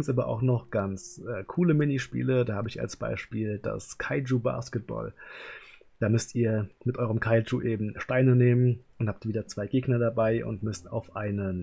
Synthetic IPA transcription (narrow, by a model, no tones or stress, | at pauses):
ŋsʔaːbɐʔa̰ʊxnɔχɡ̥ant͡sʔɛːkʰuːləmɪniʃpḭːlədaːhaːbəɪça̰lsb̥a̰ɪʃpiːld̥a̰skʰaɪd͡ʒuːba̰ːskət̚b̥a̰ːl | d̥aːmʏstiːɐmɪtʔɔʏʁəmkʰaɪd͡ʒuːʔeːbm̩ʃtaɪnəneːmən | nthaːp̚tv̥iːdɐt͡sv̥aɪɡeːɡnɐdabaɪʔʊ̰ntmʏsta̰ʊfʔaɪnən